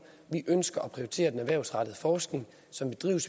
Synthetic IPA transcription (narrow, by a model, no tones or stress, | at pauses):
ʋiʔønsɡ̥ɐʔɒpʰʁioit͡sʰe̝̰ːɐd̥enæʋæɐʊsʁɑ̈ɾ̥əð̞̩ˠəfɒːsɡ̥ne̝ŋ | sɒ̽mʋed̥ʁḭʊs